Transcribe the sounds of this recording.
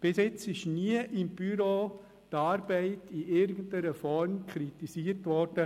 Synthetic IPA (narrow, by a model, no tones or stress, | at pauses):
b̥ɪsɪt͡sɪʃniəʔɪmb̥yɾoː | tɑːɾbɛɪtiʔɪɾɡəntəɾəfɔɾmkʰɾit̪isiːəɾtʋɔɾd̥ə